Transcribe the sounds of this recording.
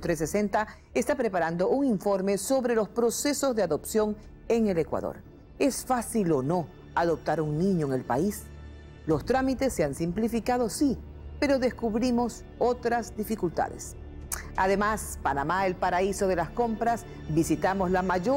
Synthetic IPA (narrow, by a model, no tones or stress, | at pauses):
t̪ɾesesent̪a | est̪apɾe̞paɾand̪o̞ʔuŋiɱfo̞ɾme̞so̞βɾe̞lo̞spɾo̞se̞so̞zðeaðo̞psjo̞ŋ | e̞ŋe̞le̞kwa̰ðo̰ɾ | e̞sfasilo̞no̞ | aðo̞p̚t̪aɾuŋnĩɲoeŋe̞lpa̰is | lo̞st̪ɾamit̪e̞sːeansimplifikaðo̞si | pe̞ɾo̞ðe̞skuβɾimo̞s | ot̪ɾazd̪ifikult̪a̰ðḛs | a̰ðe̞maspanamaelpaɾaiso̞ðe̞lasko̞mpɾas | bisit̪amo̞zlamaʝo